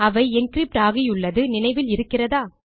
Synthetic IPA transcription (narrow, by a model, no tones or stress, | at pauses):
ɐʋɐɪɪnkɾip̚ʈaːɣɪjʊɭːɐðɯnɪnɐɪʋɪlɪɾɯkːɪrɐðaː